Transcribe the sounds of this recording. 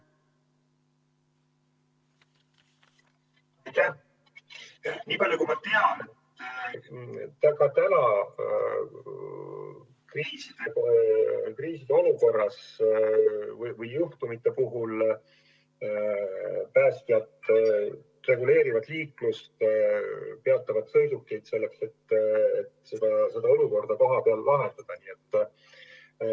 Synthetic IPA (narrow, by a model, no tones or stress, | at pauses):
t̪æ | niːpɑljukumɑt̪eɑne | t̪æɡɑt̪ænɑ | kriːsid̪̥ekriːsid̪e̞o̞luko̞rːɑs | vɯjvɤjːuht̪umit̪ːˑe̞puɦul | pæːst̪jɑt̪ | re̞ɡule̞ːɾivɑd̪̥liːklust̪ | pe̞ɑt̪ːˑɑvɑd̪̥sɤ̞jd̪ukːˑejd̪̥se̞lːe̞kse̞t̪ːe̞t̪sed̪̥ɑse̞d̪̥ɑo̞luko̞rd̪̥ɑko̞ɦɑpe̞ɑlːʔɑɦent̪ɑd̪̥ɑniːet̪ː